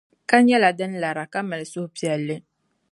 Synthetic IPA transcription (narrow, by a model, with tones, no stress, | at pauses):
ka˦ɲɛ˦la˨dɨ˦nla˨ɾa˨ka˦mɨ˨lɨ˨sʊ˦hpi˨ɛ˨lːɨ˦